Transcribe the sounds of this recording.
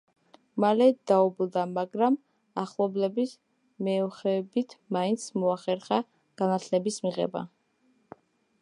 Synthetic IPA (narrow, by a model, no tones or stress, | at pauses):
malɛd̪̥aublˠd̪amaɡɾam | aχlˠɔblɛbis | mɛɔχɛbit̪ʰmaint̪sʰmɔaχɛɾχa | ɡ̥anat̪ʰlɛbismiʁɛ̰ba̰